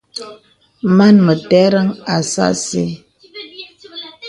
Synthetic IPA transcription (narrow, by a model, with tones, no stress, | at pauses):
ma˦˨nmə˨tɛ˦ɾə˦ŋa˨sa̰˦˨sḛ˦